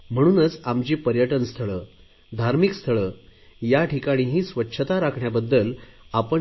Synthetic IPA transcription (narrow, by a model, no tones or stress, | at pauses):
m̤əɽ̃uːnət͡samt͡ɕiːpəɾjəʈənst̪ʰəɭə | d̪ʱaɾmikst̪ʰəɭəːjaʈikaɽ̃iːɦiːsʋətːɕʰət̪aɾakʰɳjabəd̪ːəlapə